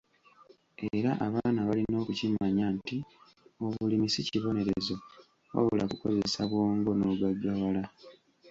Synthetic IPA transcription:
eɾaʔaβaaːnaβalino̞ːkucimaɲanti | o̞βulimisiciβo̞ne̞ɾe̞zo | wa̰βolakukoze̞saβwo̞ːŋɡo̞no̞ɡaɡːawala

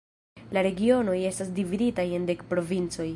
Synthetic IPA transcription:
laɾe̞ɡio̞no̞je̞stas̬dividitaje̞nde̞kpɾo̞vint͡so̞j

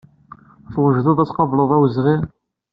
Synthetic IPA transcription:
θwəʒðɑðˤæt͡sːqɑvləðˤæwəzʁi

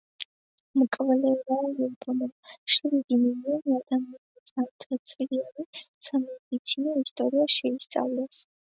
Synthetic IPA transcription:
mkʼvlɛvalipʰʼɔmɔmʃɾiɡiminiɔniad̪amianisamt̪ʼat̪sʼilianisʰamid̪it̪sʰinɔist̪ʼɔɾiaʃɛist̪sʼa̰vlas

